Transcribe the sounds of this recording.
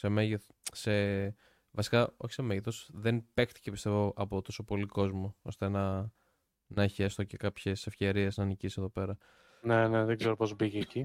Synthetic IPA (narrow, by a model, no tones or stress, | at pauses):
se̞meʝeθse | vɐsi̥kɐo̞̰çi̥semeʝeθosðe̞npe̞kt̪i̥ce̞pist̪e̞vo̞ʔɐpot̪o̞so̞po̞liko̞zmoo̞̰st̪enɐ | nɐeçest̪oce̞kɐpçese̞fce̞ɾie̞znɐːnicise̞ðope̞ɾɐ | ne̞neðeɡzeɾopo̞zbiʝeːci